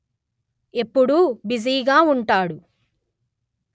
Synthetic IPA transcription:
e̞pːuɽubiziːɡaːuɳʈaːɽu | k

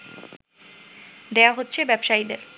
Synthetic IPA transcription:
d̪eaɦotːɕʰebɛbʃaid̪ḛɾ

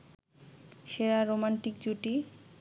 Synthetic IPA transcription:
ʃeɾaɾomaɳʈikd͡ʑuʈi

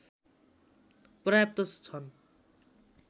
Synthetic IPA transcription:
prʌjap̚t̪ʌst͡sʰʌn

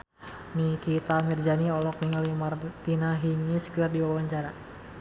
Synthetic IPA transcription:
mikit̪amird͡ʒaniɔlɔk̚niŋalimart̪inaɦiŋiskɨrdiwawaɲt͡ʃaɾa

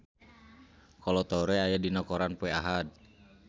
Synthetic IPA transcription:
kɔlɔt̪ɔɾɛajadinɔkɔɾanpuɛaɦad̪̚

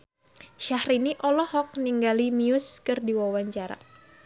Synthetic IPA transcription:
ʃahɾiniʔɔlɔhɔk̚niŋɡalimiʊskɨrdiwawaɲt͡ʃaɾa̰

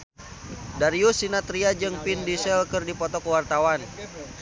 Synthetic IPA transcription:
daɾiusinat̪ɾiad͡ʒɨŋpindisɛlkɨrdipɔt̪ɔkəwart̪awan

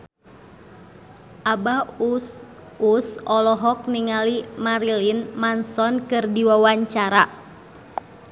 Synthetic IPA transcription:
ʔaba | usɔlɔɦɔk̚niŋalimaɾilinmansɔnkɨrdiwawaɲt͡ʃaɾa

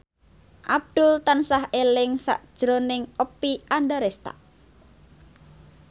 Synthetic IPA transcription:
ʔab̚d̪̥ʊlt̪ansaɦelɪŋsa̰ʔd̥ʒ̥ɾonɪŋəpːiand̪əɾest̪a̰ʔ

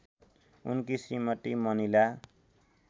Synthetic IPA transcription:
ṵnkisimʌt̪imʌnila

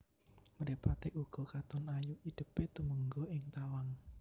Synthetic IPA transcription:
məɾepat̪eʔuɡ̥ɔ̤kat̪ɔnajuʔid̪̥ə̤pet̪uməŋɡɔʔɪŋt̪awaŋ

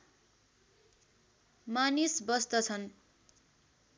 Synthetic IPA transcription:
manisbʌst̪ʌt͡sʰʌn

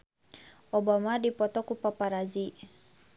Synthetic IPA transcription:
ʔɔbamadipɔt̪ɔkupapaɾazi

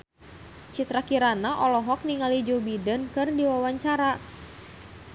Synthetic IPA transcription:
t͡ʃit̪ɾakiɾanaʔɔlɔɦɔk̚niŋalid͡ʒobidənkɨrdiwawaɲt͡ʃaɾa

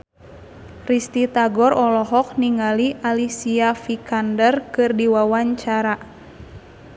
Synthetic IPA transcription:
rist̪it̪aɡɔrɔlɔɦɔk̚niŋaliʔalisiafikandərkɨrdiwawaɲt͡ʃaɾa

